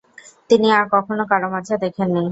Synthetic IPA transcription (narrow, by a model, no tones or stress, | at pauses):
t̪iniaɾkɔkʰonokaɾomat͡ɕʰad̪ekʰenːi